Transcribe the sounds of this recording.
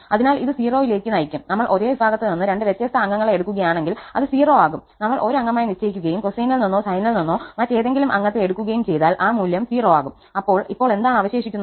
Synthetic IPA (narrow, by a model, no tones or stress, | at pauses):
ɐðinaːliðɨsiːro̞ːjile̞ːkʲːɨnɐjikʲːumnɐmːɐɭʔo̞ɾoːʋibʱaːɣɐt̪ːeninːɨɾe̞ɳɖɨʋet̪ːjɐst̪ɐɐŋːɐŋːɐɭeeɽukʲːuɣɐjaːɳe̞ŋɡilɐ̰ðɨsiːroːaːɣumnɐmːɐɭʔo̞ɾuɐŋːɐmaːjinit͡ɕːejikʲːuɣɐjumkosijnɐlninːoːsɐjnɐlninːoːmɐt͡ɕːe̞jðe̞ŋɡilumʔɐ̰ŋːɐt̪ːeeɽukːuɣɐjumt͡ɕe̞jðaːlʔaːmuːljɐmsiːro̞ːaːɣum | ɐpːo̞ːɭipːo̞ːɭe̞nd̪aːɳɐʋɐɕe̞ːʂikʲːunːɐ